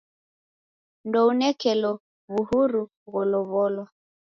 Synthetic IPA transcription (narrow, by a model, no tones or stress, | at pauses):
ndɔunɛkɛlɔ | βuhuɾu | ɣɔlɔβɔlwa